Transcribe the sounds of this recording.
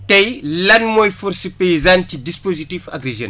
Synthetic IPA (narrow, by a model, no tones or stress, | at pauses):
tɐjlɐnmɔjfuɾsipeizantidispozitifa̰ɡɾeʒɛ̰n